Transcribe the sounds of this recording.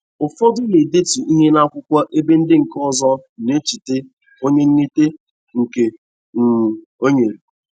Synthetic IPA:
ʊ˨fɔ˦dʊ˦le˨de˦tu˨i˦ɦe˦na˦kʷʊ˦kʷa˦ʔe˦be˦n̩˦dɪ˦ŋ̩˨kɔ˦zɔ˦ne˦t͡ʃi˨te˦ | o˦ɲe˦ŋ̩˦ne˦te˦ | ŋ̩˨ke˨ | ŋ̩˨ | o˦ɲe˨ɾ

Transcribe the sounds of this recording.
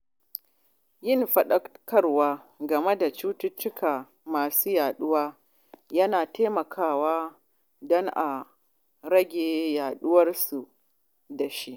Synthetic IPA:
jɪ˦˨nɸɐ˨ɗɐ˦kɐ˦rwaː˦ɡɐ˨me˦da˨t͡ʃuː˦tʊ˦t͡ʃːʊ˦kʰaː˨ | maː˨suː˦jaː˨ɗʊ˦waː˦ | jɐ˦naː˨teː˦mɐ˨kʰaː˦˨waː˦ | dɔ˦ŋʔa˨ | ɽɐ˦ɡʲeː˨jaː˨ɗʊ˦wɐ˦rsu˨ | da˨ʃi˦ʔ

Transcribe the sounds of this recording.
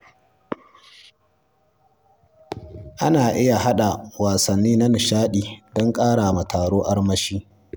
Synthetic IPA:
ʔa˦naː˨ʔɪ˦ja˨ɦa˦ɗa˨waː˨sɐ˨nːiː˦na˦nɪ˨ʃaː˦ɗiː˨dɔ˦ŋkʼaː˦ɽa˨ma˨tʰaː˨ɽoː˦ʔa˦ɽmɐ˦ʃiː˦

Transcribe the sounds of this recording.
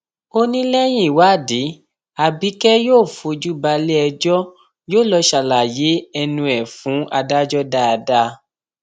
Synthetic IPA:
o˦nĩ˦lɛ˦j̃ĩ˦i˦˨wa˨˦˨di˨˦ | a˨bi˨˦kɛ˦joː˦˨fo˧d͡ʒu˦ba˧lɛ˦ɛ˧d͡ʒɔ˦ | joː˦˨lɔ˧ʃa˨la˨je˨˦ɛ˧nũ˧ɛ˨fũ˨˦ʔa˧da˦d͡ʒɔ˦da˦˧da˦

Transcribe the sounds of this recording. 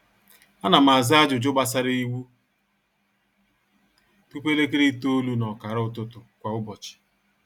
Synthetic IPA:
a˦na˨ma˨za˦d͡ʒʊ˨d͡ʒʊ˦ɡ͡ba˦s̬a˦ɾi˦i˦wu˦ | tu˦pe˦le˦ke˦ɾi˦to˦lu˦nɔ˨ka˨ɾʊ˦ʊ˦tʊ˦tʊ˨kʷa˨ʊ˦bɔ˨t͡ʃɪ̥˨

